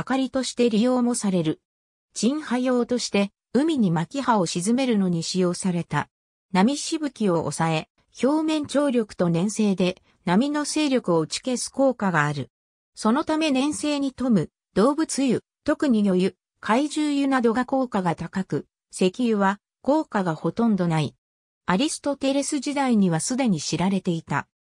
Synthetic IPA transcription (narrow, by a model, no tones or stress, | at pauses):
akaɾʲit̪o̞ɕi̥t̪e̞ɾʲijo̞ːmo̞saɾe̞ɾɯ̟ | d͡ʑĩɰ̃hajo̞ːt̪o̞ɕi̥t̪e̞ | ɯ̟mʲiɲ̟imakʲihao̞ɕizɨme̞ɾɯ̟no̞ɲ̟iɕijo̞ːsaɾe̞t̪a | namʲiɕibɯ̟kʲio̞ʔo̰sae̞ | ço̞ːmẽ̞ɲ̟t͡ɕo̞ːɾʲokɯ̟̥t̪o̞nẽ̞ɰ̃se̞ːd̪e̞ | namʲino̞se̞ːɾʲo̞kɯ̟o̞ɯt͡ɕi̥ke̞sɨ̥ko̞ːkaɡaːɾɯ̟ | so̞no̞t̪ame̞nẽ̞ɰ̃se̞ːɲ̟it̪o̞mɯ̟ | d̪̥o̞ːbɯ̟t͡sɨjɯ | t̪o̞kɯ̟ɲ̟ijo̞jɯ̟ | kʰaiʑɨːjɯnad̪o̞ɡako̞ːkaɡat̪akakɯ̟ | se̞kʲiɯβa | ko̞ːkaɡaho̞t̪õ̞nd̪o̞nai | aɾʲisɨ̥t̪o̞t̪e̞ɾe̞sɨʑid̪aiɲ̟iβasɨd̪e̞ɲ̟iɕiɾaɾe̞t̪e̞it̪a̰